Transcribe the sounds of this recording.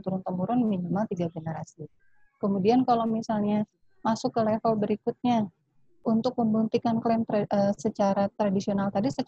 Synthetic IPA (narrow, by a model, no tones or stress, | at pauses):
t̪uɾʊnt̪əmuɾʊnminimalt̪iɡaɡənəɾasi | kəmudiankalawmisalɲa | masʊkːəlefəlbəɾikʊt̪̚ɲa | unt̪ʊk̚məmbunt̪ikanklɛnt̪ɾəsət͡ʃaɾat̪ɾadisionalt̪adisə